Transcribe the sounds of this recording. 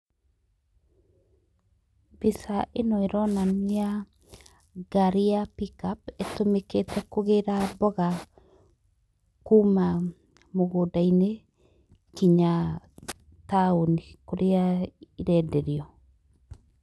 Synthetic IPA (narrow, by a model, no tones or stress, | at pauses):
bisaʔenɔeɾɔnania | ɡaɾiapikapetomeketʰɛkoɣeɾabɔɣa | kuma | moɣodaine | kiɲa | taonikoɾeaiɾɛdɛɾiɔ